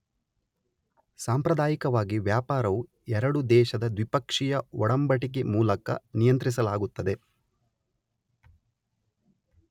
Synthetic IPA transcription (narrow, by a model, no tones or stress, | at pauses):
saːmpɾɐd̪aːjikɐʋaːɡiʋjaːpaːɾɐʋu | ɛɾɐɽud̪ɛːʃɐd̪ɐd̪ʋipɐkʂijɐɔɽɐmbɐʈik̬emuːlɐkɐ̰nijɐnt̪ɾis̬ɐlaːɡut̪ːɐd̪e̞